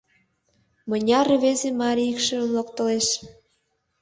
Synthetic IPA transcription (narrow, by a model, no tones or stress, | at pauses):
mə̆nʲɑrβezemɑɾʲiikʃə̆əmlokt̪ə̆leʃ